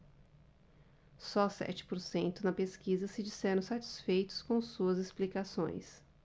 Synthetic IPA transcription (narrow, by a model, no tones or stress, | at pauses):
sɔsɛ̰t͡ʃɪ̥poɾsẽnt̪ʊnɐpeskizɐsɪd͡ʒisɛɾɐ̃w̃sat͡ʃi̥sfejt̪ʊ̥skõsuɐzesplikasõ̰j̃s